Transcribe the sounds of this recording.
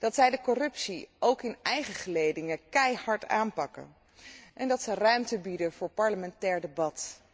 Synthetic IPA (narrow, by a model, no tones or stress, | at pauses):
d̥ɑtsɛjdəkɔrɵpsiowkɪnɛjχəχəlejdɪŋəkɛjhɑɹtaːnpɑkə̰ | ʔɛndɑtsərœɥmtəbidənv̥ʊːɹpɑɹləmɛntɛːɹdebɑt